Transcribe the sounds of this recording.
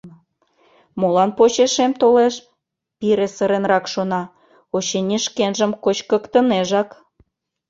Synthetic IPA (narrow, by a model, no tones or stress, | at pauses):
molɑnpot͡ɕeʃemt̪oleʃ | piɾesəɾenrɑkʃonɑ | ot͡ɕenʲiʃkenʒəmkot͡ɕkə̆kt̪ə̆neʒɑk